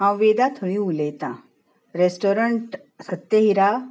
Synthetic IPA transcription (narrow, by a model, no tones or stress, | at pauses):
ɦãwʋeːd̪at̪ʰoɽĩuleːt̪ã̰ | ɾeːsʈoːɾəɳʈ | sɐt̪ːjeɦiɾa